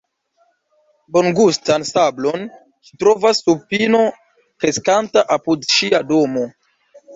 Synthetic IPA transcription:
bo̞ŋɡustansablo̞n | t͡ʃi̥tɾo̞vasːupino̞ | kɾe̞skantaʔapudʃiado̞mo̞

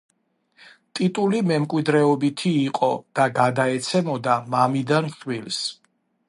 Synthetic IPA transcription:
t̪ʼit̪ʼulimɛmkʼwid̪ɾɛɔbit̪ʰiːqʼɔd̪̥aɡad̪aɛt̪sʰɛmɔd̪amamid̪anʃwils

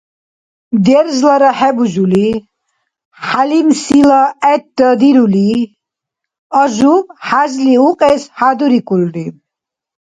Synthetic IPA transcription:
d̪ɛɾzlaɾaħɛbuʒuli | ħalimsilaɛt̪̚d̪əd̪iɾuli | aʒuħazliuqʼɛsħad̪uɾikʼulɾi

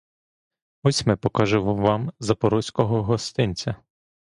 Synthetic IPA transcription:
ɔsʲmɪpɔkɑʒɪʋʋɑmzɐpɔɾɔsʲkɔɦɔɦɔst̪ɪnʲt͡sʲɐ

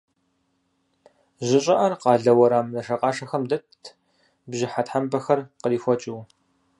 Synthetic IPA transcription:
ʑɪɕʼɪʔɐrqɑːɮɐwɐɾaːmnɐʂɐqɑːʂɐxɐmdɐtʰ | bʑɪħatħambɐxɐrqəliːfʷɔt͡ʃʼɪw

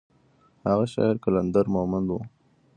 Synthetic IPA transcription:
haɣaʃɑ̰ɪɾkaland̪aɾmʊhmand̪wu

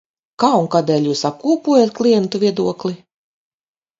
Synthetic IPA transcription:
kaːuŋkaːd̪ɛːlʲjuːsap̚kuːpuɔjat̪̚klʲˠijɛnt̪uvʲiɛd̪uɔklʲˠi

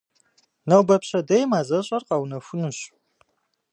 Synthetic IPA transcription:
nɐwbɐpɕɐdɐjmaːzɐɕʼɐrqɑwnɐfʷʊnɨɕ

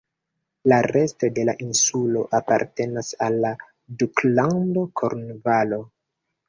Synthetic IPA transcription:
laɾe̞sto̞de̞laʔinsulo̞ʔapa̰ɾte̞nasalːa | duklando̞kʰo̰ɾnvalo̞

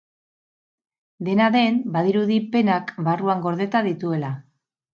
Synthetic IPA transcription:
d̪e̞naðe̞nbaðiɾuðipe̞nakbaruaŋɡo̞ɾð̞e̞t̪aðit̪ue̞la

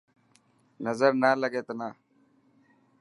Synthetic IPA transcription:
nɐzəɾnaːləɡeːt̪naː

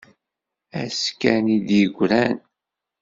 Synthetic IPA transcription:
æskænid̪jəɡʷɾæn

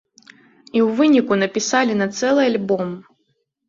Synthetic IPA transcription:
iwvɨnʲikunɐpʲisalʲinɐt̪sɛlˠɨalʲbɔm

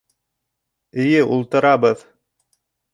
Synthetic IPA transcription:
ɘ̆jɘʔulˠt̪ɤ̆ɾɑβɤð

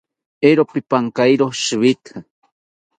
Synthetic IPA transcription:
eɾopipaŋkajɾoʃɨβit̪hɨ

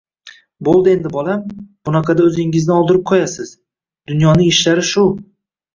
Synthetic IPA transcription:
bolˠd̪ɪe̞nd̪ɪbɒlˠamb̥ʊnɑqʰɑd̪aɵzɪŋɪznɪɒlˠd̪ɪɾɪp̚qʰɒjasɪz̥ | d̪̥ʊnjɒnɪŋɪʃlaɾɪʃʊ

